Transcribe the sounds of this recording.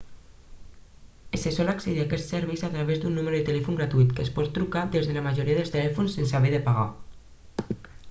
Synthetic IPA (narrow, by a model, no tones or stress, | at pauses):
esesɔlakseðiakɛst̪seɾβɛjzat̪ɾaβezd̪unːuməɾuðet̪elɛfuŋɡɾat̪uit̪kəspɔt̪ːɾukad̪ezðeləmaʒoɾiaðelst̪elɛfunsensaβeðəpaɣa̰